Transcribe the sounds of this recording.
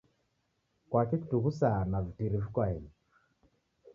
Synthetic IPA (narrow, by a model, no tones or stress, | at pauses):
kwakeku̥tuɣusanavitiɾifukwaini